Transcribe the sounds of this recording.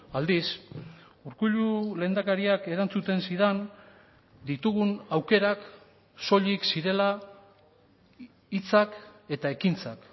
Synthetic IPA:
ald̪is | uɾkuʎule̞ːnd̪akaɾiake̞ɾant͡sut̪e̞nsiðan | d̪it̪uɣunawke̞ɾak | so̞ʎiksiɾe̞la | it͡sake̞t̪ae̞kint͡sak

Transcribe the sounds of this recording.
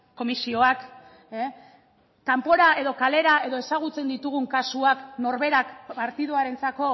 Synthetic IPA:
ko̞misio̞ak | e | kampo̞ɾae̞ðo̞kale̞ɾae̞ðo̞e̞saɣ̞ut͡se̞nd̪it̪uɣ̞uŋkasuakno̞ɾβe̞ɾakpaɾt̪iðuaɾe̞nt͡sako̞

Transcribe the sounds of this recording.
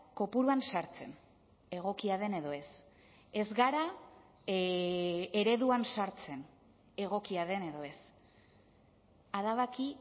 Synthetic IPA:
ko̞puɾuansaɾt͡se̞̰n | e̞ɣ̞o̞kiaðe̞ne̞ðo̞e̞s | e̞zɣaɾa | e̞ɾe̞ðuansaɾt͡se̞n | e̞ɣ̞o̞kiaðe̞ne̞ðo̞e̞s | aðaβaki

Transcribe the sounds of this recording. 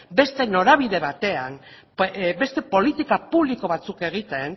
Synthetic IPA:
be̞st̪e̞no̞ɾaβ̞iðe̞βat̪e̞an | be̞st̪e̞po̞lit̪ikapuβliko̞βat͡suke̞ɣ̞it̪e̞n

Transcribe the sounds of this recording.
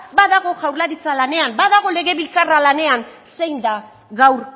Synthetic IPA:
baðaɣo̞ʝawɾlaɾit͡salane̞ambaðaɣ̞o̞le̞ɣe̞βilt͡saralane̞anse̞jnd̪a | ɣawɾ

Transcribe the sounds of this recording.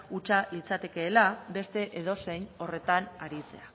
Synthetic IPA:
ut͡ʃalit͡sat̪e̞ke̞ːlabe̞st̪e̞ʔeðo̞se̞jno̞re̞t̪anaɾit͡se̞̰a

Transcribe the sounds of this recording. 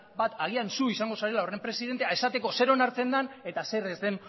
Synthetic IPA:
bat̪aɣiansuisaŋɡo̞saɾe̞lao̞re̞mpɾe̞siðent̪eae̞sat̪e̞ko̞se̞ɾo̞naɾt͡se̞nd̪ane̞t̪ase̞ɾezd̪e̞n

